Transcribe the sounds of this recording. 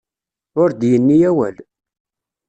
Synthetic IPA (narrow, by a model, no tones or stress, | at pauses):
ʊɾd̪jənːijæwæ̰l